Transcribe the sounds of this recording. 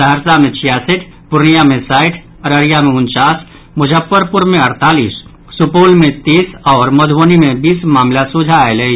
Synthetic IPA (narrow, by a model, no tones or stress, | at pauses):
əɦəɾsamẽt͡ʃʰijaːsɪʈʰ | pʊɾnijamẽsaːɪʈʰ | ɾəɾijamẽʊnt͡ʃaːs | mʊd͡ʒʱəpːəɾpʊɾmẽəɾt̪aːliːsː | ʊpoːlmẽt̪iːsɔːɾmɐd̪ʱʋonimẽbiːsmaːmlasʊd͡ʒʱaelei